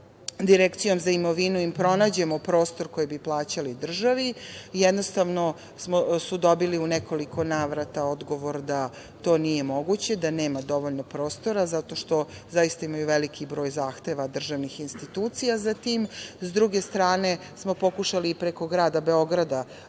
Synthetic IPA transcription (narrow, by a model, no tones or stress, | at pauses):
d̪iɾekt̪sijo̞mzaimo̞ʋinuimpɾo̞naːd͡ʑe̞mopɾo̞ːst̪o̞ɾko̞jebiplˠaːt͡ɕalid̪r̩ʒaʋijɛd̪nost̪aʋno | smosud̪o̞biliuneko̞liko̞naːʋɾat̪ao̞d̪ɡo̞ʋo̞ɾd̪a | t̪o̞ːnije̞mo̞ɡut͡ɕe̞d̪aneːmad̪o̞ʋo̞ʎnopɾo̞ːst̪o̞ɾazat̪o̞ʃt̪o̞zajist̪aimajuʋelikʰibɾo̞ːjzaːxt̪eʋad̪r̩ʒaʋnixinst̪it̪uːt̪sijazat̪iːmzd̪ɾuɡe̞st̪ɾaːne̞ | smo̞po̞kuʃaliːpɾeko̞ɡɾaːd̪abe̞o̞ɡɾad̪a